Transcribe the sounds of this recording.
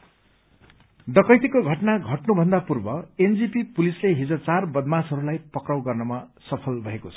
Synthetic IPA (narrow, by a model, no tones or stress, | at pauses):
ɖʌkʌjt̪ikoɡʱʌʈnaɡʱʌʈnubʱʌnd̪apurbʌend͡zipipulisleɦid͡zʌt͡sarbʌd̪masɦʌɾulajpʌkrʌwɡʌrnʌma | sʌpʰʌlbʱʌɦekot͡sʰʌ̥